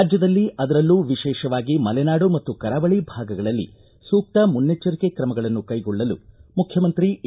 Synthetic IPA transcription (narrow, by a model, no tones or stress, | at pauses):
aːd͡ʒjɐd̪ɐlːiʔɐd̪ɐɾɐlːuːʋiʃɛːʃɐʋaːɡimɐlɛnaːɽumɐt̪ːukɐɾaːbɐɭibʱaːɡɐɡɐɭɐlːḭ | suːk̚ʈ̪ɐmunːet͡ʃːɐɾikekɾɐmɐɡɐɭɐnːukɐjɡɔɭːɐlṵmukʰjɐmɐnt̪ɾi